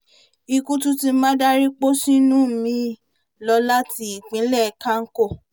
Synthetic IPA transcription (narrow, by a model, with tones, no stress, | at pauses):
i˧ku˧˦tu˦tĩ˧˦mã˦da˦ɾi˦k͡po˦sĩ˦nũ˦˨mĩ˧ | lɔ˧la˦ti˧i˨k͡pĩ˨˦lɛ˦˨˧kã˦ŋ̩˦ko˦˨